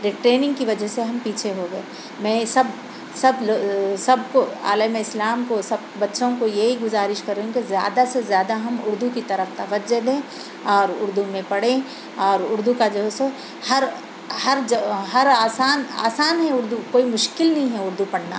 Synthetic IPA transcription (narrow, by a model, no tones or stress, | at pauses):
ɾiʈɾeːnɪ̃ŋɡkiʋɐd͡ʒəɦseɦɐmpiːt͡ʃʰeɦoɡɐe | mɛ̃ːsɐb | sɐblosɐb̚koa̰ːlemẽɪslaːmkosɐb̚bɐtːʃõkojeɦiɡʊzaːɾɪʃkɐɾːeɦũkizja̰ːd̪asezjaːd̪aɦɐmʊɾd̪ukit̪ɐɾəft̪ɐʋɐd͡ʒed̪ẽː | ɔːɾʊɾd̪umẽpɐɽẽ | ɔːɾʊɾd̪ukad͡ʒɐɦose | hɐɾ | hɐɾd͡ʒɦɐɾaːsaːna̰ːsaːnɦɛʊɾd̪ukoːimʊʃkɪlnɐɦĩɦɛʊɾd̪upɐɽna̰